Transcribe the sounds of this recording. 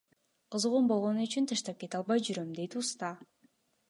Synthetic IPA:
qʰɯzʁumbo̞lˠʁo̞nuyt͡ʃynt̪ʰɯʃt̪ɑp̚ke̞t̪ɑlˠβɑjd͡ʒyɾømd̪e̞jt̪ust̪ɑ

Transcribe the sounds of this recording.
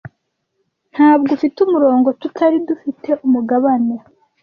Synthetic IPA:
n̥haːbɡufitumuɾo̞ːŋɡo̞tutʰaɾidufite̞ʔumuɡaβane

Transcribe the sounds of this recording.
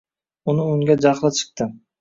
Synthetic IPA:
ʊnɪʊŋɡʲad͡ʒaχlˠɪt͡ʃʰɨ̥q̚t̪ɪ

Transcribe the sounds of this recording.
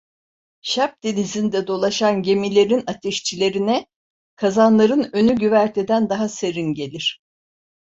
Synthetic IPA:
ʃap̚d̪ilʲizind̪ɛd̪o̞lˠaʃanɟe̞milʲe̞ɾinat̪ʰeʃt͡ʃʰilʲe̞ɾinɛ | kʰazanlˠaɾɯnø̞nyɟyvæɾt̪ʰed̪ænd̪aɦase̞ɾinɟe̞lʲiɾ̥

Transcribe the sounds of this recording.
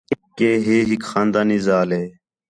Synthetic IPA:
kːeːɦeːɦikxaːnd̪aːniːzaːleː

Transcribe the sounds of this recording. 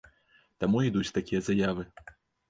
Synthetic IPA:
t̪amuid̪ut͡sʲt̪akʲijɐzajavɨ

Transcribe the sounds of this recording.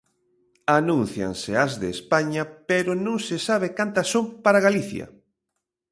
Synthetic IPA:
anũnθja̰ŋsɪɐzðeːspaɲɐpeɾʊnõŋsɪsaβɪkant̪ɐsːõmpaɾaɣaliθjɐ̰

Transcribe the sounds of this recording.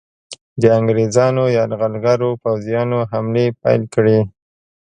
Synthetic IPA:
d̪əaŋɡɾezɑnojɑlɣalɡaɾopawzijɑnoɦamlepa̰jlkɽi

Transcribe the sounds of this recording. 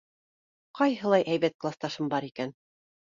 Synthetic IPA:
qɑjɦɤ̆lˠɑjʔæjβæt̪̚klˠast̪ɑʃɤmbɑɾikæn

